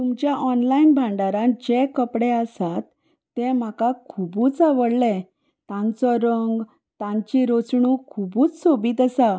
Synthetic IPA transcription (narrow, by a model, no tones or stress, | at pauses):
t̪umt͡ɕjaʔɔnlainbʱãɳɖaɾãd͡ʑekəpɽeəsat̪ː | ɛ̃m̤akakʰubuːt͡saʋəɽlɛ | t̪ãnt͡sɔɾəŋɡ | t̪ãɲt͡ɕiɾot͡sɳukʰubuːt͡ssobiːt̪əsa